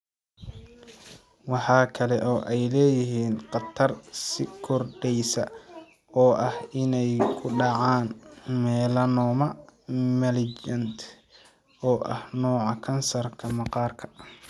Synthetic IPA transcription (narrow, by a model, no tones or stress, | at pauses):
wɑħɑːkʰɐlɛʔɔːʔɛjlɛːjɪɦiːnqɑt̪ʰɐrsɪkʰɔrɖɛjsɐ | ɔːʔɐhɪnɛjkʰʊɖɑʕɑːnmɛːlɐnɔːmɐmɛlɪd͡ʒɐnt̪ʰ | ɔːʔɐhnɔːʕɑkʰɐnsɐrkʰɐmɐqɑːrkʰɐ̥